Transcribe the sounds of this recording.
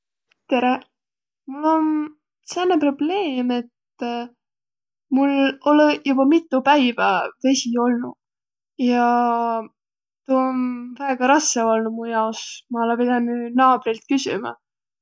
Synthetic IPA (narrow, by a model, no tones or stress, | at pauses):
t̪e̞ɾe | mulːo̞n | sænːepro̞b̥le̞ːme̞t̪ | mulo̞lejub̥ɑmit̪ːˑupæjvɑve̞sʲio̞lnṵ | jɑ | t̪uonvæeɡ̥ɑɾɑsːeolnumujɑosmɑɑlɑpid̪ɑnynɑːb̥rilt̪̚kysḭmɑ̰